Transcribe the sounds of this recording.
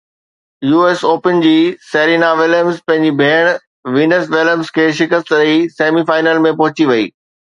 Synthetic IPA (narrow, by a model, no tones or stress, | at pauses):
juːeːsoːpənd͡ʑiːseːɾiːnaʋɪləmzpɐ̃ɦɪ̃ɲd͡ʑibʱeːɽ̃ | ʋiːnəsʋɪləmskʰeːʃɪkəst̪ɾəiseːmifaːɪnəlmẽpɐɦʊt͡ɕiʋɐḭː